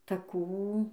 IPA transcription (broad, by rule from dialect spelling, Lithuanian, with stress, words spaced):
tɐˈkuː